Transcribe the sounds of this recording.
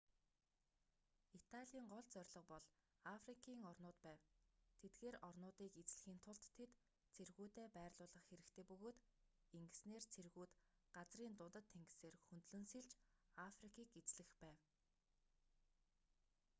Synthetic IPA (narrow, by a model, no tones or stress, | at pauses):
it̪ʰaɮʲiːɴɢɔɮt͡sœrʲɮɞ̆q̚pɔɮ | afrikʰiːŋɔrnʊːt̪pæːwt̪ʰet̪ɡeːɾɔrnʊːt̪iːket͡sɮɘ̆xiːn̥t̪ʰʊɮt̪ʰːet̪ | t͡sʰerɣuːt̪eːpæːrɮʊːɮə̆χxeɾɘ̆kt̪ʰeːpɵɣoːt̪ | iŋɡɘ̆sneːrt͡sʰerɣuːt̪ | ɢ̥at͡sriːnt̪ʊnt̪ə̆t̪ʰːeŋɡɘ̆seːrxɵnt̪ɮɵ̆nsiɮt͡ɕafrikiːket͡sɮɘ̆xpæːw